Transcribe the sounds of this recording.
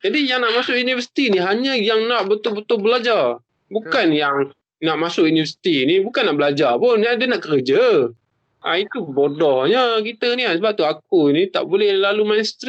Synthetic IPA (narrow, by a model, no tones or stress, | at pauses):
d͡ʒadijaŋnaʔmasʊʔjunivəsi̥t̪iniɦaɲəjaŋnaʔbət̪ʊlbət̪ʊlbəlad͡ʒar | bukanjaŋ | naʔmasʊʔjunivəsi̥t̪inibukanːaʔbəlad͡ʒapʊnːiadənaʔkəɾəd͡ʒə | ʔait̪ubodɔhɲəkit̪əniasəbap̚t̪uak̚unit̪a̰ʔbolɛhlalumanst̪ɾi